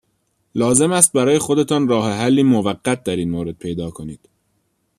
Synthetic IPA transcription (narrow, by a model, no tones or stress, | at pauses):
lɒːze̞mæst̪̚bæɾɒːje̞xo̞d̪e̞t̪ʰɒːnrɒːɦheɦælːiːmovæɢːæt̪̚ʰd̪æɾiːnmoːɾe̞d̪̚pʰe̞jd̪ɒːkʰo̞niːd̪̥